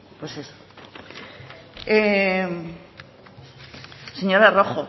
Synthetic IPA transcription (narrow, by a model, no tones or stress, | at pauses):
pweseso̥ | e | se̞ɲoɾaroxo